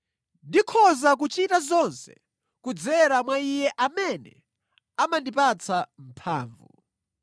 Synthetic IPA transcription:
ndikʰɔzak̬ut͡ʃitazɔnsɛ̥̰ | kud͡zɛɾamwaijɛʔamɛnɛ̰ | amandipat͡sʰam̩pʰa̰ːɱvṵ

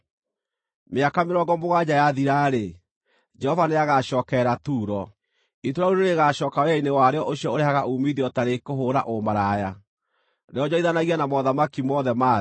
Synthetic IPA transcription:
meakameɾɔɡɔmoɣad͡ʑajaðiɾaɾe | d͡ʒɛhɔvaneaɣaɕɔːkɛɾatuːɾɔ | itoɾauɾeɾeɣaɕɔːkaweainewaɾeɔʔoɕiɔoɾeɦaɣaʔumiðiɔtaɾekoɦoɾa̰ʔomaɾaːja | neɔd͡ʑɔiðanaɣianamɔðamakimɔːðɛmaː

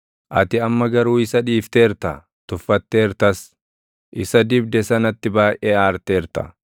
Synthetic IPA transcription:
ʔɐt̪ɪɐmːɐɡɐɾuːɪsɐᶑiːft̪eːɾt̪ɐ | t̪ʊfːɐt̪ːe̞ːɾt̪ɐs | ʔɪsɐd̪ɪbd̪ɛsɐnɐt̪ːɪbaːʔeːaːɾt̪eːɾt̪ɐ̥

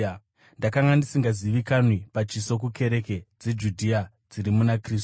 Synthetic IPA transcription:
ndakaŋɡandisiŋɡaziʋikanwipat͡ʃiso̞k̬ukʰe̞ɾe̞ke̞d͡ze̞d͡ʒudʱia | d͡ziɾimunakriːsu̥

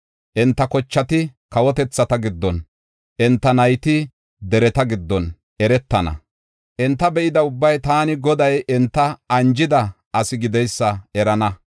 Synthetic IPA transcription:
ʔɛnt̪ːɐkɔt͡ʃːɐt̪ɪkɐwɔt̪ɛt͡sːɐt̪ɐɡɪd̪ːɔn | ʔɛnt̪ːɐnɐjt̪ɪ | d̪ɛɾɛt̪ɐɡɪd̪ːɔn | ɛɾɛt̪ːɐnɐ̰ | ʔɛnt̪ːɐbɛʔɪd̪ɐʊbːɐjt̪aːnɪɡɔd̪ɐjɛnt̪ːɐɐnd͡ʒɪd̪ɐ | ʔɐsɪɡɪd̪ɛjsːɐɛɾɐnɐ

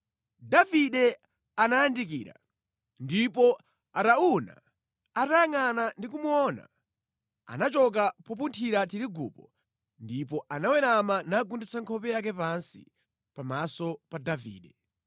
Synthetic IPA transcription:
daviɗɛ | anajandik̬iːɾa̰ | ndipɔ | atauna̰ | atajaŋanandik̬umuɔna̰ | a̰nat͡ʃɔk̬apɔp̬untʰiɾat̬iɾiɡṵːpɔ | ndipɔʔanawɛɾamanaɡundit͡saŋkʰɔpɛjak̬ɛpansḭ | pamasɔpadavḭːɗɛ

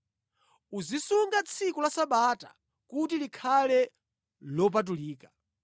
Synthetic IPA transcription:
uzisuŋɡat͡sʰikulasaɓata̰ | kut̬ilikʰalɛ | lɔp̬at̬uliːka

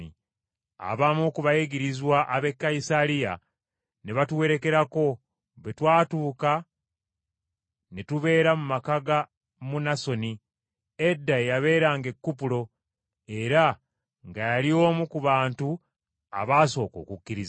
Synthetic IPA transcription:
i | a̰βamukuβajeɡiɾizwaʔːβe̞kːajisaɾija | ne̞βatuwe̞ɾe̞ke̞ɾako̞ | βetwaːtuːka | netuβe̞ːɾamumakaɡa | munaso̞ni | edːaejaβe̞ːɾaŋɡe̞kːupulo̞ | e̞ɾa | ŋɡajalio̞ːmukuβaːntu | a̰βaːso̞ːko̞̰ːkukːiɾiz

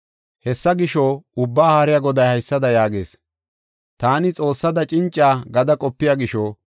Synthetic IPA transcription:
hɛsːɐɡɪʃɔʊbːaːhaːɾɪjɐɡɔd̪ɐjhɐjsːɐd̪ɐjaːɡḛːs | t̪aːnɪt͡sʼo̞ːsːɐd̪ɐt͡ʃʼɪnt͡ʃʼːaːɡɐd̪ɐkʼɔpːɪjaɡɪʃo

